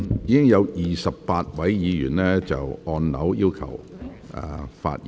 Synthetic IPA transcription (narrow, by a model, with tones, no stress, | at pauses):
jiː˨˧kɪ˥ŋjɐ˨˧wjiː˨sɐ˨p̚paː˧t̚wɐ˨˥jjiː˨˧jyː˨˩nlɛː˥t͡sɐ̰˨wɔː˧nnɐ˨˥wjiː˥wkʰɐ̰˨˩w | ɛ̰˨˧fa̰ː˧t̚j